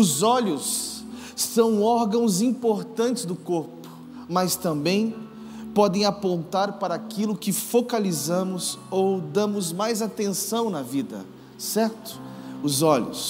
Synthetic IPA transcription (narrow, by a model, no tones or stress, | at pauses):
ʊzɔʎʊsː | ɐ̃w̃ɔɾɡɐ̃w̃zĩmpoɾt̪ɐ̃nt͡ʃɪzd̪ʊkoɾpʊ̥ | mɐst̪ɐ̃mbẽj̃ | pɔd̪ẽj̃apõnt̪aɾpaɾɐakilʊkɪfokalizɐ̃mʊzowd̪ɐ̃mʊzmajzat̪ẽsɐ̃w̃nɐvid̪ɐ̰ | sɛɾt̪ʊ̥ʊzɔʎʊ̰s